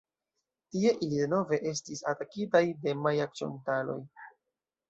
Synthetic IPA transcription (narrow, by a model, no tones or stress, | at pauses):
tie̞ʔilide̞no̞ve̞ʔe̞s̬tisa̰takitajde̞majak̚t͡ʃio̞̰ntalo̞̰j